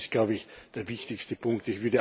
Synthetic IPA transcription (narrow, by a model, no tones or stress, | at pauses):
st̚ɡ̥laʊbəɪçd̥eːɐvɪçtɪçstəpʰʊŋktɪçv̥ʏːɐɾə